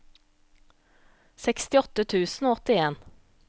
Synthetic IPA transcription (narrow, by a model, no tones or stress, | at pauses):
sɛkst̪ɪɔt̪ət̪ʰʉːsn̩oːɔt̪ɪeːn